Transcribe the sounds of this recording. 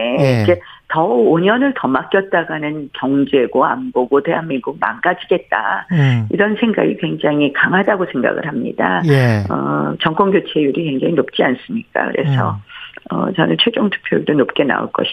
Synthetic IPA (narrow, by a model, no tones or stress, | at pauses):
eikʰetʌoɲʌnɯɭtʌmak͈jʌt̚t͈aɡanɯnkjʌŋd͡ʑe̞ɡoa̰mboɡote̞ɦanmiŋɡuk̚ma̰nɡad͡ʑiɡe̞t̚t͈a̰ḭɾʌnsʰe̞ŋɡa̰ɡikwe̞ŋd͡ʑaŋikaŋɦadaɡosʰe̞ŋɡa̰ɡɯ̰ɾɦamɲḭdajʌ̰t͡ɕʌŋk͈ʌŋɡjot͡ɕʰe̞juɾikweŋd͡ʑaŋinop̚t͡ɕ͈ians͈ɯmɲik͈a̰kɯ̰ɾe̞̰sʰʌ̰ʌ̰t͡ɕʌ̰nɯnt͡ɕʰwe̞d͡ʑoŋtʰu̥k̚pʰjʌɭdonop̚k͈e̞na̰o̰ɭk͈ʌ̰ɕʰi